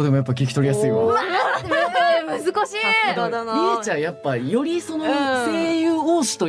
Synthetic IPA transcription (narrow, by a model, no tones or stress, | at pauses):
d̪emo̞japːak̬ʲikʲi̥t̪o̞ɾʲijasɨio | mɯzɨkaɕiɾʲit͡ɕajapːajo̞ɾʲiso̞nose̞ːjɯːoːɕi̥t̪o̞